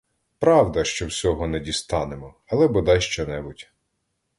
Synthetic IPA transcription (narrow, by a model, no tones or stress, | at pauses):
pɾɑwd̪ɐʃt͡ʃɔwsʲɔɦɔnɛdʲist̪ɑnemɔ | ɐlˠɛbɔd̪ɑjʃt͡ʃɔnɛbʊtʲ